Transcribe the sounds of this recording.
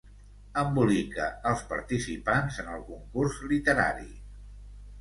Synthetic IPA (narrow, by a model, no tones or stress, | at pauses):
əmbulikə̰əlˠspəɾt̪isipanzənəlˠkuŋkurzlit̪əɾa̰ɾḭ